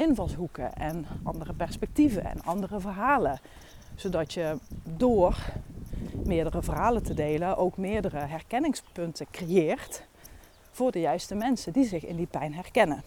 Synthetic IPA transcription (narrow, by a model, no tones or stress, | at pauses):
ʔɪnvɑlˠsɦukə̰ʔɛnʔɑ̰ndərəpɛɹspɛk̚tivə̰nɛ̰nɑndərəvərɦaːlə | z̥owdɑtjədoːr | mɪːɹdərəvərɦaːləntədejlənʔowkmɪːɹdərəɦɛrkɛnɪŋspɵntəkrejɪːrt | v̥ʊːɹdəjœɥstəmɛnsəndizɪxɪ̰ndipɛjnɦɛrkɛnə